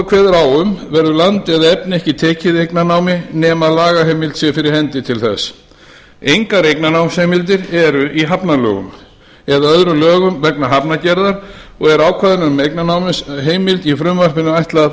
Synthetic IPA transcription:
kʰvɛːðʏɾawʏmvɛɾðʏlant̪ɪaðaɛpnɪɛhcɪt̪ʰɛːcɪðejknanaːwmɪnɛːmaðlaːɣaɦejmɪlt̪sjɛfɪɾɪɾ̥hɛnt̪ɪt̪ʰɪlθɛ̰s | ejŋkaɾejknanawmshejmɪlt̪̬ɪɾɛɾʏʔiɦapnalœ̰ːɣʏ̰m | ɛðaœðɾʏlœːɣʏmvɛknaɦapnacɛɾðaɾɔɣɛɾaːwkʰvaːðɪnʏɾmejknanaːwmɪsɦeːjmɪlt̪ifɾʏmvar̥pɪnːʏajht̪la

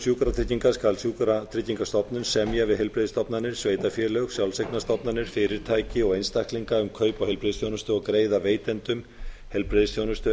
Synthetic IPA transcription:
sjuːkɾat̪ʰɾɪcːiŋkaskalsjuːkɾat̪ʰɾɪcːiŋkast̪ɔpnʏnsɛmjavɪðɦɛlpɾeðɪst̪ɔpnanɪɾ̥sveːjt̪afjɛlœɣsjawlseknast̪ɔpnanɪɾ̥fɪːɾɪɾ̥t̪ʰaːjcɪɔɣejnst̪ahkliŋkaʏmkʰœːɥpawhɛlpɾeðsθjoːwnʏst̪ʏɔɣkɾeːjðaveːjt̪ɛnt̪ʏm | hɛlpɾeðsθjownʏst̪ʏ

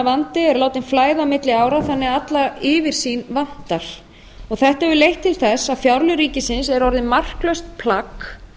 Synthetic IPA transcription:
avant̪ɪɛɾlaːwt̪ɪnflaːjðamɪt̪lɪaːwɾaθanːɪat̪laɪvɪɾ̥sinvan̥t̪aɾ̥ | ɔɣθɛht̪aɛvʏlejht̪ʰːɪlθɛsaðfjawɾlʏɾiːcɪsɪnsɛɾɔɾðɪmar̥klœɥst̪̚pʰlak

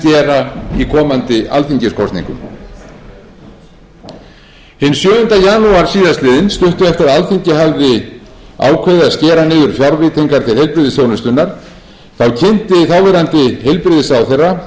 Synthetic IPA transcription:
cɛːɾaikʰɔːmant̪ɪʔa̰lθiɲcɪskʰɔst̪nḭŋkʏ̰m | hɪnːsjœːðʏnt̪ajaːnuaɾ̥siːðast̪lɪːðɪnst̪ʏht̪ʏɛft̪ɪɾaðalθiɲcɪɦavðɪ | a̰ːwkʰvɛðɪascɛːɾanɪːðʏɾ̥fjawɾvɪːt̪iŋkaɾ̥t̪ʰɪlhejlpɾɪðɪsjownʏst̪ʏnːaɾ̥ | θawcʰɪnt̪ɪθawvɛɾant̪ɪɦejlpɾɪðɪsaːwθejrːa

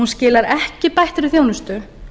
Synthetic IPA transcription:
unscɪːlaɾɛhcɪpajht̪ɪɾɪθjoːwnʏst̪ʏ

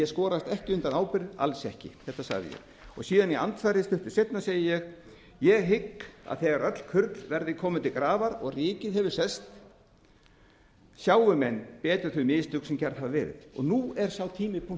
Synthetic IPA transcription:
jɛskɔːɾast̪ɛhcɪʏnt̪anaːwpɪɾa̰lsɛhcɪ̰θɛht̪asa̰ɣðɪ̰jɛ̰ɣ | ɔɣsiːðania̰nt̪faɾɪst̪ʏht̪ɪ̥sejt̪naseːjɪjɛɣ | jɛɣɦɪkːa̰ðθɛɣaɾœt̪l̥kʰʏɾt̪lvɛɾðɪkʰɔːmʏnt̪ɪkɾaːvaɾɔɣrɪːcɪðhɛvʏɾ̥sɛst̪ | sjaːwʏmɛnːpɛːt̪ʏɾθʏmɪːðɪst̪ʏksɛmcɛɾðhavavɛːɾɪ̰ðɔ̰ɣnuːɛɾ̥sawt̪ʰiːmɪpʰu

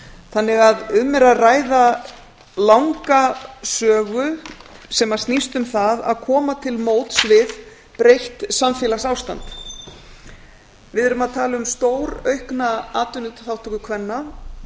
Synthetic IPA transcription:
θanːɪɣaðʏmːɛɾaðraːjða | lawŋkasœːɣʏsɛmḁst̪nist̪ʏmθaða̰ðkʰɔːmat̪ʰɪlmoːwt̪svɪð | pɾejht̪samfjɛːlasawst̪a̰nt̪ | vɪðɛɾʏmaðt̪ʰaːlɪʏmst̪oːwɾœɥhknaaːt̪ʏnʏt̪θawht̪ʰɔkʏkʰvɛnːa

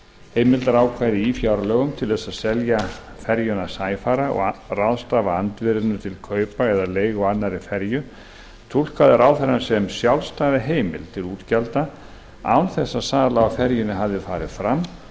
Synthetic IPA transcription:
heːjmɪlt̪aɾaːwkʰvajðɪifjawɾalœːɣʏmt̪ʰɪlθɛsaðsɛlja | fɛɾjʏnasaːjfaːɾaɔ̰ɣrawðst̪aːvaant̪vɪɾɪnʏt̪ʰɪlkʰœːɥpaɛðaleːjɣɔanːaɾɪfɛɾjʏ | t̪ʰul̥kaðɪɾaːwθɛɾːansɛmsjawlst̪aːvɪɦeːjmɪ̰lt̪ʰɪluːt̪calt̪a | a̰wnθɛsːaðsaːlaafɛɾjʏnɪɦavðɪfaːɾɪð̥fɾamː

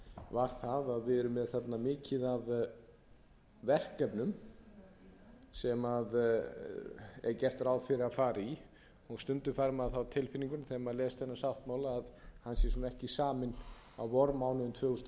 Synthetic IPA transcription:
vaɾ̥θaðaðvɪðɛɾʏmːɛðθat̪namɪːcɪðað | vɛr̥kɛpnʏm | sɛmað | ɛ̰ɾcɛr̥t̪ɾaːwðfɪɾɪɾafaːɾi | ɔɣst̪ʏnt̪ʏfaɾmaðθawt̪ʰɪlfɪniŋkʏnθɛmalɛːst̪θɛnːasawht̪maːwlaaðhansjɛɾsuːnaɛhcɪsaːmɪn | a̰wvɔɾmawnʏʏnt̪ʰvœːɣʏst̪

